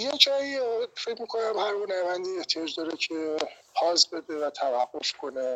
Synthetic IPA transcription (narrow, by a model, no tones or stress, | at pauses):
jed͡ʒɒifecmiːkʰo̞næmhæɾɡonæbænd̪ieht̪ʰijɒːd͡ʒd̪ɒːɾecʰe | pʰɒːzbe̞d̪evæt̪ʰævæɡːo̞fkʰone